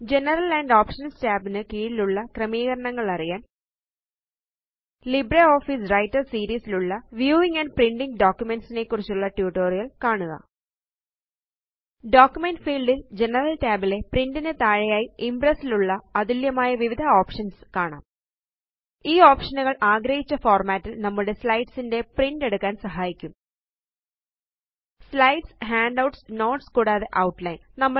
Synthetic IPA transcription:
d͡ʑe̞nɐrɐlɐːɳɖoːpʂɐnstaːbinɨkiːɽiluɭːɐkrɐmiːɣɐɾɐɳɐŋːɐɭɐrijaːn | libreoːfisrɐjtːɐrsiːɾiːsiluɭːɐʋjuːʋiŋɡɐnɖpriɳɖiŋɡɖoːkjume̞nsine̞kːurit͡ɕːuɭːɐʈjuʈːo̞ːrijɐlkaːɳuɣɐ̰ | ɖoːkjumenɖfiːlɖild͡ʑenɐrɐlkaːbile̞prindinet̪aːɻɐjaːjiimpresiluɭːɐːðiljɐmaːjɐʋiʋid̪ʱɐoːpʂɐnskaːɳa̰ːm | iːoːpʂɐnuɣɐɭʔaːɡɾɐhit͡ɕːɐfoːrmaːtːilnɐmːuɽe̞slɐjʈsinde̞priɳɖeɽukːaːnsɐɦaːjikʲːum | slɐjɖshaːɳɖɐwʈsno̞ːʈskuːɽaːðe̞ʔɐwʈlɐjnnɐmːɐ

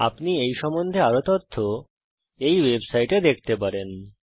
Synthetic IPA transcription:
a̰pniejʃɔmond̪ʱeaɾot̪ɔt̪ʰːo | ejwebsajʈed̪ek̚ʰt̪epaɾen

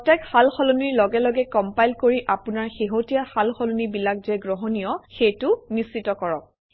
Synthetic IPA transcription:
ɔtɛkhalxɔluniɹlɔɡɛlɔɡɛkɔmpajlkoɹiʔapunaɹxeɦotijaxalxɔlunibilak̚zɛɡɹɔɦɔnijɔxejtʊnist͡ʃitɔkɔɹɔk̚

